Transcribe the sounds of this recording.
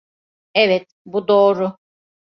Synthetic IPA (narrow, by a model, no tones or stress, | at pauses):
ɛvɛt̪̚ | bud̪oːɾʊ